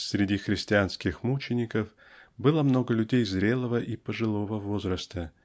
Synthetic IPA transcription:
sʲɾʲɪdʲixɾʲɪsʲtʲɪanskʲɪxmut͡ɕɪnʲɪkəf | bɨlˠəmno̞ɡəlʲʉdʲejzɾʲe̞lˠəvəʔipəʐɨlˠo̞vəvo̞zɾəst̪ə

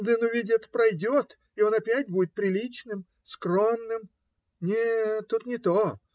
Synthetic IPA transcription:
d̪ɨnʊvʲidʲɪt̪pɾɐjdʲot̪ | ɪo̞nɐpʲætʲbudʲɪt̪̚pɾʲɪlʲit͡ɕnɨm | skro̞mnɨm | nʲet̪ːut̪nʲɪt̪o

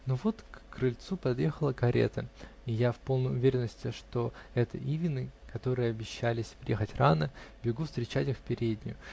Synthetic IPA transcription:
novo̞t̪kːrɨlʲt̪supɐd̪jexəlˠəkɐɾʲḛt̪əɪjafpo̞lˠnəjʊvʲeɾʲɪnːəsʲtʲɪʂt̪o̞ɛt̪ə̰ʔivʲɪnɨkɐt̪o̞ɾɨjəɐbʲɪɕːælʲɪsʲpɾʲjexətʲranəbʲɪɡufst̪ɾʲɪt͡ɕætʲɪxfpʲɪɾʲedʲnʲɪ̰jʊ

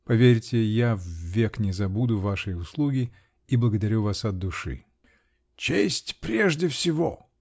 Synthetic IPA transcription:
pɐvʲeɾʲtʲɪjavːʲeknʲɪzɐbud̪ʊvaʂɨjʊslˠuɡʲɪ | iblˠəɡəd̪ɐɾʲuvasɐd̪ːʊʂɨ̰ | t͡ɕesʲtʲpɾʲeʐdʲɪfsʲɪvo̰

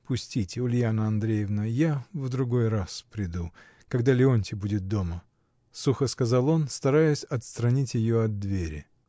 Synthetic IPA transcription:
pʊsʲtʲitʲɪʊlʲjanəɐnd̪ɾʲejɪvnəjavd̪ɾʊɡo̞jraspɾʲɪd̪u | kɐɡd̪alʲɪonʲtʲɪbudʲɪt̪̚d̪o̞mə | suxəskɐzalˠo̞nst̪ɐɾajʊsʲɐt̪st̪ɾɐnʲitʲjɪjo̞ɐd̪̚dːvʲeɾʲɪ̰

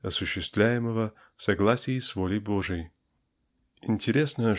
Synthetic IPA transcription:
ɐsʊɕːɪst̪vlʲæjɪməvə | fsɐɡlˠasʲɪːsvolʲɪjboʐɨj | ɪnʲtʲɪɾʲe̞snəjə

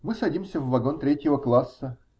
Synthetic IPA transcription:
mɨsɐdʲimsʲəvvɐɡont̪ɾʲetʲjɪvəklˠasːə

